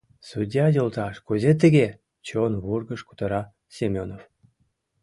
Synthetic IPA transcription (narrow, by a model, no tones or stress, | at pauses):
sud̪ʲjɑjolˠt̪ɑʃkuzʲet̪ːĕɡʲe | t͡ɕonβurɡə̆ʃku̥t̪ɤɾɑ | sʲemʲonof